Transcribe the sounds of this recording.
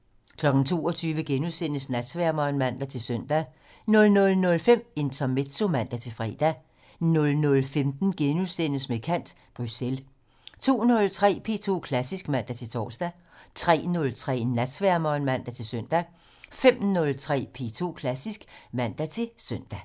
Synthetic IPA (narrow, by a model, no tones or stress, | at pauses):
kʰlɒ̽ɡ̥n̩t͡sʰo̝ːɒt͡sʰyːʋəɡ̥enusen̰əsnæd̥sʋæɐ̰mɒːnmæn̰d̥æt͡sʰe̝lsøn̰d̥æ | nɔ̽lnɔ̽lnɔ̽lfem̰e̝nt͡sʰɒmed̥so̝mæn̰d̥æt͡sʰe̝fʁɛ̰ːd̥æ | nɔ̽lnɔ̽lfemd̥n̩ɡ̥enusenəsmekʰæn̰d̥ | b̥ʁysel | t͡sʰo̝̰ːnɔ̽lt͡sʰʁɛ̰ːpʰe̝̰ːt͡sʰo̝̰ːkʰlæsisɡ̥mæn̰d̥æt͡sʰe̝lt͡sʰɒ̰ːsd̥æ | t͡sʰʁɛ̰ːnɔ̽lt͡sʰʁɛ̰ːnæd̥sʋæɐ̰mɒːnmæn̰d̥æt͡sʰe̝lsøn̰d̥æ | fem̰nɔ̽lt͡sʰʁɛ̰ːpʰe̝̰t͡sʰo̝̰ːkʰlæsisɡ̥mæn̰d̥æt͡sʰe̝søn̰d̥æ